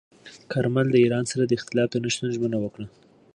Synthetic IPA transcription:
kʰaɾmald̪əiɾɑnsaɾad̪əɪxt̪ɪlɑt̪onaʃt̪anʒmənawəkɽa

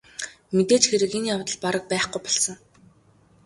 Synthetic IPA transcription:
met̪eːt͡ɕxeɾɘ̆kenjawt̪ə̆ɮpaɾə̆k̚pæːχɡujpɔɮsə̆ŋ

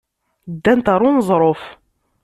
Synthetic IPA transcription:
d̪ːænt̪ɑɾˤʊnzˤɾˤof

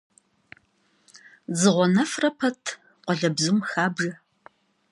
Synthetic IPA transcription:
zɨʁʷɔnɐfrɐpʰɐtʰ | qʷɔɮɐbzumxaːbʒɐ

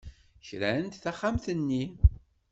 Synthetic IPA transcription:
çɾæənt̪θaχːamθənːi

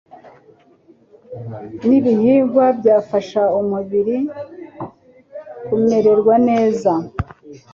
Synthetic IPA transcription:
niβihiːɱvwabɟaːfaʃaumuβiɾi | kume̞ɾe̞ɾɡwane̞ːza

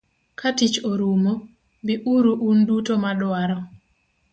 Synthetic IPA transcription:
kʰatit͡ʃoɾumo | biʔuɾuʔundutomadwaɾɔ

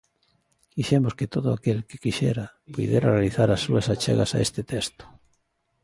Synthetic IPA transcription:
kiʃemosket̪oðʊakelke̥kiʃeɾapujðjeɾarealiθaɾasːuasat͡ʃḛɣa̰sa̰ḛst̪ɪt̪est̪ʊ̥

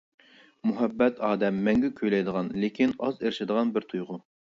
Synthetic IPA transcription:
muɦɛbːɛt̪ʰɑːd̪ɛmːɛŋɡʲɛkʲʰøjlɛjd̪əʁɑnlɪkʲʰinɑzeɾʃɪd̪əʁɑnbɪɾt̪ʰujʁʊ

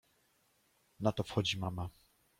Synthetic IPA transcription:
nat̪ɔfxɔd͡ʑimama

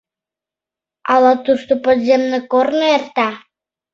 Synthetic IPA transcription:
ɑlɑt̪uʃt̪opod̪zemnĕkornoert̪ɑ

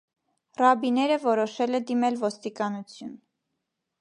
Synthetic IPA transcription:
rɑbinɛɾəvɔɾɔʃɛlɛd̪imɛlvɔst̪ikɑnut͡sʰjun

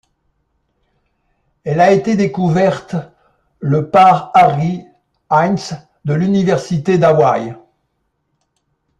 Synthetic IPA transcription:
ɛlaet̪ed̪ekuvɛʁt̪ | ləpaʁaʁi | ans | d̪əlynivɛʁsit̪ed̪awaj

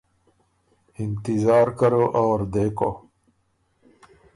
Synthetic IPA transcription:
int̪izaːɾkɐɾoʔawɾd̪eːko

